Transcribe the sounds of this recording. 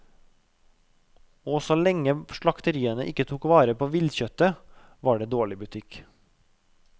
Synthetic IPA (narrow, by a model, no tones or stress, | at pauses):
oːsoːlɛŋəʃɭɑkt̪əɾiːənəʔɪkːət̪ʰuːkʋɑːɾəpʰoːʋɪlçœt̪ə | ʋɑːɖeːd̪oːɭɪbʉt̪ʰɪk